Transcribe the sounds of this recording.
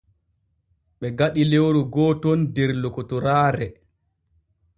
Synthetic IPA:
ɓɛɡaɗilewɾuɡɔːtɔndɛɾlɔkɔtɔɾaːɾɛ

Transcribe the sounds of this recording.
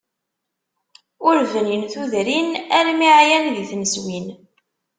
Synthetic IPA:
ʊɾvənjənθuðɾinæɾmiʕjænðiθnəswin

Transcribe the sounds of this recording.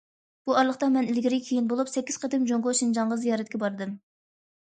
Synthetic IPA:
b̥uɑɾlˠəχt̪ɑmɛnɪlɡʲiɾɪkʲʰejinbolˠupsɛkʲːiz̥qʰɑd̪ɪmd͡ʒoŋʁoʃind͡ʒɑɴʁəzijɑːɾɛt̪̚ʲkʲɛbɑɾɨd̪ɨm

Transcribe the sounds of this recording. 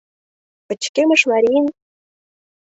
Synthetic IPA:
pə̆t͡ɕkʲemə̆ʂmaɾʲin

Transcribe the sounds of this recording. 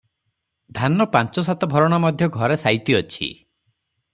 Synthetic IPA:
d̪ʱanɔpant͡ʃɔs̬at̪ɔbʱɔɾɔɽ̃amɔd̪ʱjɔɡʱɔɾesajt̪iɔt͡ʃʰḭ

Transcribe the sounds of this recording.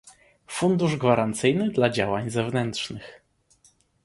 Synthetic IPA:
fund̪uʐɡvaɾant̪sɘjnɘd̪lad͡ʑawaɲzɛvnɛnt̪ʂnɘx

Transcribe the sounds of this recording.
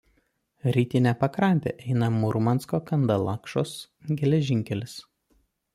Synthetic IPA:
ɾʲiːt̪ʲɪnʲɛpɐkɾɐnʲt̪ʲḛʔɛɪnɐmʊɾʊmɐnskoːkɐnd̪ɐlˠɑkʃoːs | ɡʲɛlʲɛʒʲɪŋʲkʲɛlʲɪs

